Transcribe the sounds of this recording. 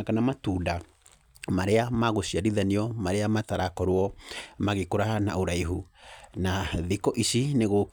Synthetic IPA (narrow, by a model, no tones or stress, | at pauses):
kanamatuːda | maɾeamaɣoɕiaɾiðaniɔmaɾeamataɾakɔɾwɔmaɣekoɾahanaoɾaiɦunaðikɔʔisineɣo